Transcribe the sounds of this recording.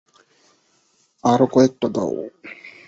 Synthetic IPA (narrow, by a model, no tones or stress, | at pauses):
aɾokɔek̚ʈad̪a̰w